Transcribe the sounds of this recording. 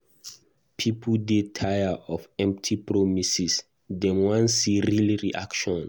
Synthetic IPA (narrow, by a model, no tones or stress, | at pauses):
pʰipʰdetʰajaɔfɛ̃mp̚tʰipʰɹɔmisis | dɛ̃mwãnsiɹiliɹiʔakʃɔ̃n